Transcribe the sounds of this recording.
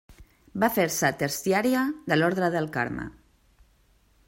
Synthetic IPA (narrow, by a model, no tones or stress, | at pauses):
bafeɾsat̪əɾsiaɾiad̪əlɔɾðɾəðəlˠka̰ɾma̰